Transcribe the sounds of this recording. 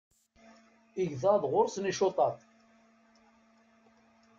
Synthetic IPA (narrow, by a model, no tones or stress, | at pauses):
iʝðɑðʁʊɾsniʃot̪ˤɑt